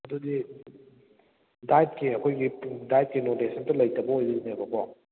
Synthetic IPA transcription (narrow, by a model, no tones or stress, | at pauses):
ɐdudi | dajt̚kiɐkʰojɡidajt̚kinotesʰɐntɐlɐjtɐbɐojzɐinebɐkɔ